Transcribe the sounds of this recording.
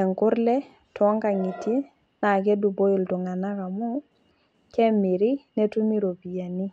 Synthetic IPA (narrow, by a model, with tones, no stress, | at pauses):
ɛ˨ŋkʊ˦rlɛ˦ | tɔ˦ŋka˨ŋɪ˨tje˦ | na˨kɛ˦du˨bo˦ɪ˨ltʊ˨ŋa˨na˦ka˨mʊ˦ | kɛ˦mɪ˨ɾɪ˦nɛ˦tu˦mi˦ɾo˨bi˨ja˨nɪ˦